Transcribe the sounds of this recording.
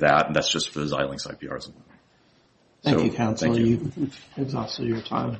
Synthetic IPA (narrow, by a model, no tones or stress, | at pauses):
ðæ̰tn̩ðætsd̥ʒ̥ʌstfə˞ðɨza̰ɪlˠɪ̃ŋsa̰ɪpʰiɑ̰ɹɨzmən | θsæ̃oʊkjɨkʰãʊ̃nsθæ̃l̩ˠkjɨɪzɑs̩jə˞tʰã̰ɪ̃m